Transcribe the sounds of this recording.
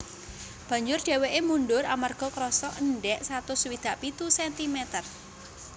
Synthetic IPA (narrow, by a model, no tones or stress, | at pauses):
b̥a̤ɲd͡ʒʊrɖ̥ɛ̤weʔemunɖʊɾamarɡ̥ɔ̤kɾɔsɔʔənɖɛʔsat̪ʊswid̪̥aʔpit̪usɛnt̪imɛt̪ər